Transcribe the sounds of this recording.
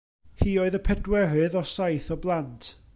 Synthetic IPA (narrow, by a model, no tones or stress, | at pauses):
hiːoɨðəpʰɛdwɛɾɨðɔsajθɔblˠantʰ